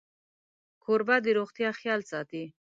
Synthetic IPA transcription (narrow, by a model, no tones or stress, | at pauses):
kʰoɾbad̪iɾoχt̪jɑχjɑlsɑt̪i